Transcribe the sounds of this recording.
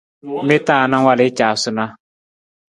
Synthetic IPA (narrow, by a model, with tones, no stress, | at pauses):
mɪ˦taː˦˨na˦ŋ˦wa˦lɪ˦t͡ʃaː˨sʊ˦na˦